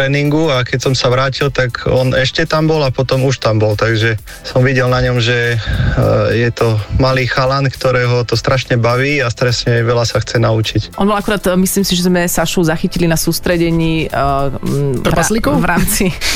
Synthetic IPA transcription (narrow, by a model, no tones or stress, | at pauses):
t̪ɾɛːniŋɡuakɛcsɔmsaʋɾaːcilt̪aɡɔnɛʃcɛt̪ambɔlapɔt̪ɔmuʃt̪ambɔlt̪aɡʒɛ | sɔmʋiɟɛlnaɲɔmʒɛ | jɛt̪ɔmaliːxalankt̪ɔɾɛːɦɔt̪ɔst̪ɾʔaʃɲɛbaʋiːast̪ɾɛsɲɛʋɛlasaxt͡sɛnaut͡ʃicʔɔnbɔlakuɾaːt̪misliːmsiʒɛzmɛsaʃɔʊzaxicilinasuːst̪ɾɛɟɛɲiː | ɾpalikɔvɾaːmt͡si